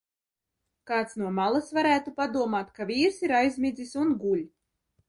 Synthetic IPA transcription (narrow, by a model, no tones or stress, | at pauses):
kɑːt̪snuɔmalˠasvaɾæːt̪upad̪uɔmaːt̪kavʲiːɾsiɾajzʲmʲid̪zisunɡulʲ